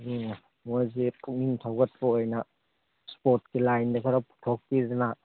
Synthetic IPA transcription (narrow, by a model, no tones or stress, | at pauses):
dinɐ | mojzipumintʰawɡɐt̚pɐojnɐ | spoɾt̚kilajndɐkʰɐɾɐpu̥tʰok̚pizɐna